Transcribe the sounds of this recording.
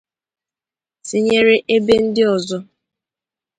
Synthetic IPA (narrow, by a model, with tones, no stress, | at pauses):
sɪ˨ɲe˦ɾe˦ʔe˦be˦n̩˦dɪ˦ɔ˨zɔ˦